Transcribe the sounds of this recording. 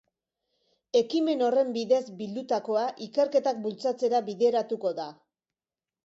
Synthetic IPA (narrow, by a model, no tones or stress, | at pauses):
e̞kime̞no̞re̞mbiðe̞zbild̪ut̪ako̞aʔike̞ɾke̞t̪ak̚bult͡sat͡se̞ɾaβiðe̞ɾat̪uko̞ða